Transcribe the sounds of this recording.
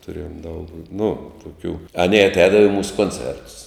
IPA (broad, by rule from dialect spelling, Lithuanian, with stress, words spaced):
tʊˈrʲeːjoːm dɐʊk nʊ tʊˈkʲuː ɐˈnʲeː ɐtʲˈɛːdɐʋɐ ɪ ˈmuːsʊ koːnʲˈt͡sʲɛrtʊs